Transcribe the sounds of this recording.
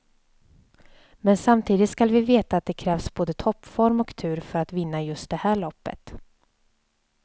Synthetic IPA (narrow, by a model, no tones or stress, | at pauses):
mɛnsamt̪ʰiːd̪ɪt̪skalvɪveːt̪aːt̪̚d̪ɛkʰɾɛːvsboːd̪ət̪ʰɔpːfɔɾmɔkt̪ʰʉ̟ːɾfœɾat̪vɪnːajɵst̪̚d̪ɛhæːɭɔpːə̰t̪